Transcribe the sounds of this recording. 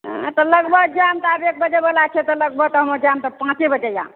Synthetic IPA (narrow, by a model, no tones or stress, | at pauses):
ɦt̪ələɡbʱəɡd͡ʒamt̪abek̚bəd͡ʒebəlat͡ʃʰɛt̪ɔləɡbʱəɡt̪ɔɦəməd͡ʒamt̪əpãt͡ʃebəd͡ʒeja̰m